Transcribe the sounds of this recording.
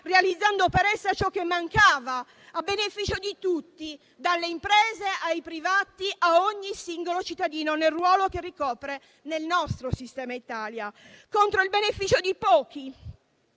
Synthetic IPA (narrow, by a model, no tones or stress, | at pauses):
realid̪zːand̪opeɾɛsːat͡ʃɔkːemːaŋkaːvaː | benefiːt͡ʃod̪it̪ut̪ːi | d̪alːeimpɾɛːzeajpɾivaːt̪iʔaoɲːisiŋɡolot͡ʃit̪ːad̪iːnonelrwɔːlokerːikɔːpɾe | nelnɔst̪ɾosist̪ɛːmait̪aːljakont̪ɾoilbenefiːt͡ʃod̪ipɔːk̟i